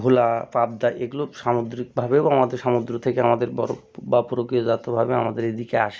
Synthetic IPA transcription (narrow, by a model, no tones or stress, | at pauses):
bʱulapab̚d̪aʔeɡuloʃamod̪ɾik̚bʱabeamad̪eɾʃamod̪ɾot̪ʰekeamad̪eɾbɔɾo | bapoɾokiod͡ʑat̪obʱabea̰mad̪eɾed̪ikeaʃe